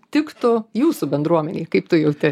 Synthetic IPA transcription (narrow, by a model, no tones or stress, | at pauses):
t̪ʲɪkt̪ʊjuːsʊbʲɛnd̪ɾuɔmʲɛnʲiːkɐɪpt̪ʊjɛʊt̪ʲɪ